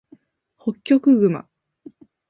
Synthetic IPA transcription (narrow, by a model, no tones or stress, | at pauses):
ho̞kʲːo̞kɯ̟ɡɯ̟ma̰